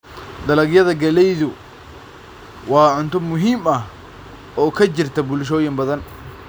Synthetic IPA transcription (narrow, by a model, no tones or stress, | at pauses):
d̪ɐlɐɡjɐðɐɡɐlɛjðʊ | wɑːʕʊnt̪ɔmʊɦiːmɐh | ʔɔːkʰɐd͡ʒɪrt̪ʰɐbʊlʃ̬ɔːjɪmbɐðɐn